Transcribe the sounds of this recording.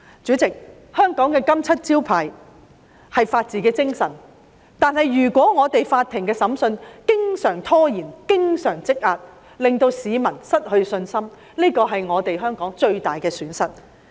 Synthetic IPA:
t͡ʃyː˨˥t͡sɪ˨k̚ | hœː˥ŋkɔː˨˥ŋkɛː˧kɐ˥mt͡sʰɐ˥t̚t͡siː˥wpʰaː˨˩j | hɐ˨jfaː˧t̚t͡siː˨˥kɛː˧t͡sɪ˥ŋsɐ˨˩n | t̪aː˨˧nɦɐ˨jːyː˨˩kʷɔː˨˥ŋɔː˨˧t̪e˨jfaː˧t̪̚ʰːɪ˨˩ŋkɛː˧sɐ˨˥msɵ˧nkɪ˥ŋsœː˨˩ŋt̪ʰɔː˥jiː˨˩nkɪ˥ŋsœː˨˩ŋt͡sɪ˥k̚ʔaː˧t̚ | lɪ˨ŋt̪o˧wsiː˨˧mɐ˨˩nsɐ˥t̚hɵ˧ɥsɵ˧nsɐ˥m | niː˥kɔː˧ɦɐ˨jŋɔː˨˧t̪e˨jɦœː˥ŋkɔː˨˥ŋt͡ʃɵ˧ɥt̪aː˨jkɛː˧syː˨˥nsɐ˨t̚

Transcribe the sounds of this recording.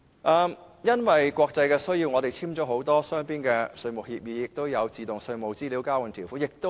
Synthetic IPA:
ʔɐː˧mjɐ˥nwɐ˨jkʷwɔː˧k̚t͡sɐ˧jkɛː˧sɵ˥ɥji˧wŋɔ˨˧d̪e˨jt͡sʰiː˥mt͡ʃɔ˨˥ɦo˨˥wt̪ɔː˥sœː˥ŋpiː˥nkɛː˧sɵ˧ɥmʊ˨˩k̚hiː˧p̚jiː˨˧˥jɪ˨k̚t̪o˥wjɐ˨˧wt͡siː˨t̪ʊ˨˩ŋsɵ˧mo˨˩wt͡siː˥liː˨˥wkaː˥wɐ˨˩nt̪ʰiː˨˩wfu˨˥jɪ˨k̚t̪o˥

